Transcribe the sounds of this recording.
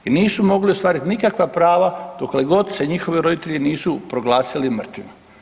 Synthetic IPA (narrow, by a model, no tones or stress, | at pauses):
iniːsumo̞ɡliost̪ʋaːɾit̪nikakʋapɾaːʋad̪̥okleɡo̞d̪se̞ɲixo̞ʋeɾo̞d̪it̪eʎiniːsupɾoɡlˠaːsilimr̩t̪vimo